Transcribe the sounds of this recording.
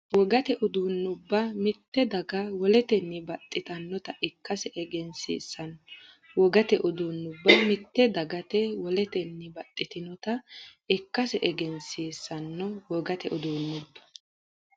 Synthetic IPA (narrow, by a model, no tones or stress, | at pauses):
wɔɡɐt̪ɛʔʊd̪uːnːʊbːɐmɪt̪ːɛd̪ɐɡɐwɔlɛt̪ɛnːɪbɐt̪ʼːɪt̪ɐnːɔt̪ɐʔɪkːɐsɛɛɡɛnsḭːsːɐn | wɔɡɐt̪ɛʔʊd̪uːnːʊbːɐmɪt̪ːɛd̪ɐɡɐt̪ɛwɔlɛt̪ɛnːɪbɐt̪ʼːɪt̪ɪnɔt̪ɐɪkːɐsɛʔɛɡɛnsiːsːɐnːɔwɔɡɐt̪ɛʔʊd̪uːnːʊbːɐ̥